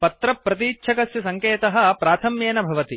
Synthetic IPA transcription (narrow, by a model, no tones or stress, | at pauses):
pɐt̪ɾɐpːɾɐt̪iːtːt͡ʃʰɐkɐsjɐsɐŋkeːt̪ɐɦɐ̆pɾaːt̪ʰɐmjeːnɐbʱɐʋɐt̪i